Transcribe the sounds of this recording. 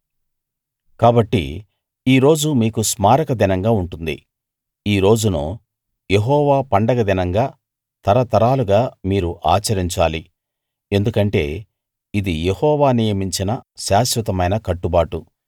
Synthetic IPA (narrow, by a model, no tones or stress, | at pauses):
kaːbɐʈːḭ | iːɾo̞ːd͡ʒumiːkusmaːɾɐkɐd̪inɐŋɡaːuɳʈund̪ḭ | iːɾo̞ːd͡ʒuno̰ː | je̞ɦɔːʋaːpɐɳɖɐɡɐd̪inɐŋɡaː | t̪ɐɾɐt̪ɐɾaːluɡaːmiːɾuʔaːt͡ʃɐɾiɲt͡ʃaːli | e̞nd̪ukɐɳʈe̞̰ː | id̪ijehɔːʋaːnijɐmiɲt͡ʃinɐʃaːʃɾɐt̪ɐmɐjnɐkɐʈːubaːʈu